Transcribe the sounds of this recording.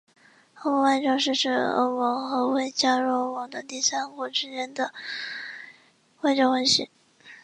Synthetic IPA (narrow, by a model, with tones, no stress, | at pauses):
o˧˥ʊmɔ˧ŋwa˥˧ʈ͡ʂɑ˥˧ʂ̬ɻ̩˥˧ʂɻ̩˥˩o̰˧˥ʊmɔ˧˥ŋxɤ˧˥we˥˩ɪt͡ɕja˥ɻo˧˥mwɑ˧˥ŋd̪ə˧t̪i˥˩sa˥nkɔ˨˩ʈ͡ʂ̩˥t͡ɕɛ˧˥nd̪ə˧ | we˥˧ʈ͡ʂɑ˥˩xa˧˥nɕḭ˧˥˦ŋ